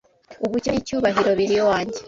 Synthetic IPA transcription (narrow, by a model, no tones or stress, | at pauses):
uβuconicuːβaɦiɾo̞βiɾijowaːɲɟe